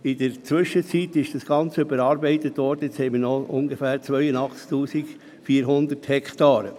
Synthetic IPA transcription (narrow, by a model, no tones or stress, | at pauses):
ɪd̥əɾt͡sʋʏʃːət͡sit̪ɪʃd̥ɑsɡ̥ɑnt͡səybəɾɑːɾbɛɪt̪ət̪ʋɔːɾdəet͡shɛɪmənɔʊ̰ŋɡəfæːɾt͡sʋœʏənɑχt͡sktuːsik | fiːɾɦʊnd̪ərthɛkʰt̪ɑːɾə